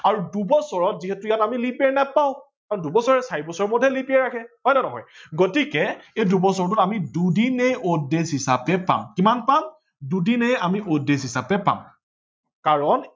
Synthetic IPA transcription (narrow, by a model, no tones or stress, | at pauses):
aɹudubɔsɔɹɔtziɦɛtʊjatamilipɛnapaʊ | kaɹɔndubɔsɔɹɛsaɹibɔsɔɹɔmɔdʱɛlipiɛɹakʰɛɦɔjnɛnɔɦɔ̰jɡotikɛejdubɔsɔɹɔtutamidudinejodesɦisapɛpa̰mkimanpam | dudinejamiʔodesɦisapɛpa̰m | kaɹɔn